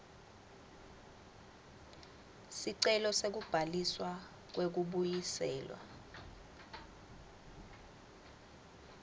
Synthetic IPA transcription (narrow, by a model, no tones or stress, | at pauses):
siǀɛlɔsek̬ub̥ʱaliswa | k̬wek̬uɓujisɛːlwa̰